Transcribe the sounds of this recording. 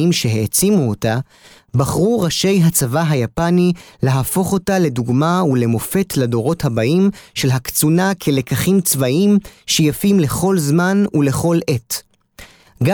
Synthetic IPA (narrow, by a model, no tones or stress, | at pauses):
imʃeɦeːt͡simuota | baχʁuʁaʃe̞jɦat͡savaɦajapanile̞ɦafo̞χo̞tale̞duɡmaule̞mo̞fe̞tʰlado̞ʁo̞thabaʔimʃe̞lɦakt͡sunakʰele̞kaχimt͡svaʔimʃejafimle̞χo̞lzmanule̞χo̞le̞t | ɡa